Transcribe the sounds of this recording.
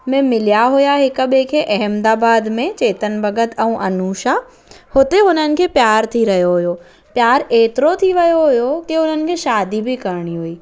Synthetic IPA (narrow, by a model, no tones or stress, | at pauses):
mẽmɪlijaɦʊjaɦɪkəɓekʰeʔɐɦəmd̪aːbaːd̪mẽt͡ɕeːt̪ənbɐɡət̪ɛ̃ũʔɐnuːʃa | hot̪eɦʊnənɪ̆kʰeːpjaːɾt̪ʰiɾɐɦjoɦʊjo | pjaːɾeːt̪ɪɾot̪ʰiʋɐjoɦʊjokeʊn̤ənɪ̆kʰeːʃaːd̪ibɪkɐɾɽ̃iɦuiː